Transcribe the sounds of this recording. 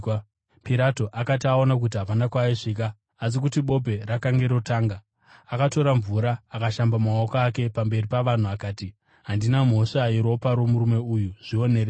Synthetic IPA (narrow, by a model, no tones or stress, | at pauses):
piɾato̞ʔakat̬iao̞nak̬utiɦaʋanakwaiʂik̬aː | s̬ikutiɓo̞pe̞rakaŋɡe̞ɾo̞taːŋɡa | akato̞ɾaɱvuɾaːkaʃambamaokaːke̞pambe̞ripaʋan̤uakaːti | ɦandinam̤o̞ʂaiɾo̞paɾo̞muɾume̞uːjuʐ̥io̞nere